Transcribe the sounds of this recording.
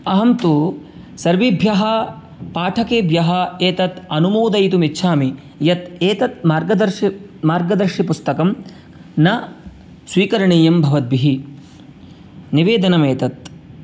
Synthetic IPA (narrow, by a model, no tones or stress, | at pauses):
ɐɦɐmt̪u | sɐɾʋibʱjɐɦɐ | paːʈʰɐkeːbʱjɐɦɐeːt̪ɐt̪ɐnumuːd̪ɐjt̪umitːʃʰaːmi | jɐt̪eːt̪ɐt̪̚maːɾɡɐd̪ɐɾʃ | maːɾɡɐd̪ɐɾʃipust̪ɐkɐm | nɐ | sʋiːkɐɾɐɳiːjɐmbʱɐʋɐd̪̚biɦi | niʋeːd̪ɐnɐmeːt̪ɐt̪̚